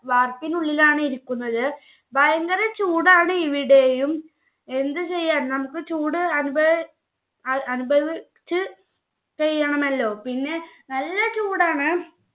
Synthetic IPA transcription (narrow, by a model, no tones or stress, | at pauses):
ʋaːrpinuɭːilaːɳɨiɾikːunːɐðɨ | bʱɐjɐŋɡɐɾɐt͡ɕuːɽaːɳɨiʋiɽe̞jum | e̞nd̪ɨt͡ɕe̞jːaːnnɐmukːɨt͡ɕuːɽɨɐnubɐʋi | ɐɐnubʱɐʋi | t͡ɕːɨ | t͡ɕeɻjːɐɳɐmɐlːo̞ːpinːe̞nɐlːɐt͡ɕuːɽaːɳɨ